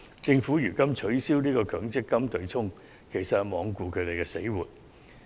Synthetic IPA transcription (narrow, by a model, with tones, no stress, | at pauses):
t͡sɪ˧ŋfuː˨˥jyː˨˩kɐ˥mt͡ʃʰɵ˨˥ɥsiː˥wniː˥kɔː˧kʰœː˨˥ŋt͡sɪ˥kːɐ˥mt̪ɵ˨˧ɥt͡sʰʊ˥ŋ | kʰe˨˩jsɐ˨t̚hɐ˨mɔː˨˧ŋkuː˧kʰɵ˨˧ɥt̪e˨jkɛ˧sḛ˨˥jwuː˨t̚